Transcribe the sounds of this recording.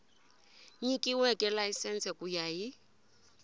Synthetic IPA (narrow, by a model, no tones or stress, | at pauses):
ɲikʼiwɛkʼɛlaisɛnt͡sɛkʼujaji